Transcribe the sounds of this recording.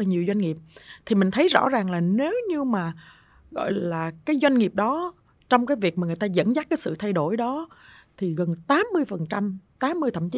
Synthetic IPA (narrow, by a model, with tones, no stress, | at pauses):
laː˨˩ɲi˨˩əwzwa˧jŋ̟ŋi˨˩əp̚t̪ʰi˨˩mï˨˩ŋ̟t̪ʰə˨˦jzɔ̰˧˥zaː˨˩ŋlaː˨˩ne˨˦wɲɨ˧maː˨˩ | ɣɔ̰˧˨jlaː˨˩kaː˨˦jzwa˧jŋ̟ŋi˨˩p̚ɗɔ˨˦ | t͡ɕɔ˧wŋ͡mkaː˨˦jvi˨˩k̚maː˨˩ŋɨ˨˩əjt̪aː˧zə̰˧˥nzaː˦˥kaː˨˦jsɨ̰˧˨t̪ʰa˧jɗo˧˩jɗɔ˨˦ | t̪ʰi˨˩ɣə˨˩nt̪aː˨˦mːɨ˧əjfə˨˩nt͡ɕa˧mt̪aː˨˦mːɨ˧əjt̪ʰə̰˧˩mt͡ɕi˨˦